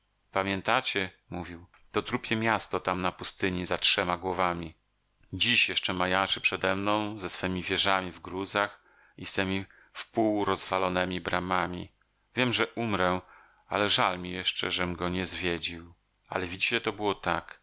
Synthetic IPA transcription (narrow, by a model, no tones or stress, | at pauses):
pamʲjɛnt̪at͡ɕɛ | muvʲiw | t̪ɔt̪ɾupʲjɛmʲjast̪ɔt̪amnapust̪ɘɲizatʂɛmaɡwɔvamʲi | d͡ʑiɕjɛʂt͡ʂɛmajaʂɘpʂɛd̪ɛmnɔ̃w̃zɛsfɛmʲivʲjɛʐamʲivɡɾuzax | ist̪ɛmʲi | fpuwɾɔzvalɔnɛmʲibɾamamʲḭ | vʲjɛmʐɛʔumɾɛ | a̰lɛʐalmʲijɛʂt͡ʂɛ̰ʐɛmɡɔɲɛzvʲjed͡ʑiw | a̰lɛvʲid͡ʑit͡ɕɛt̪ɔbɘwɔt̪ak